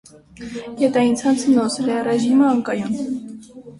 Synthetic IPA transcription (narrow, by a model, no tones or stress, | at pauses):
jɛt̪ɑjint͡sʰɑnt͡sʰənɔsɛlɛrɛʒiməɑŋkɑjun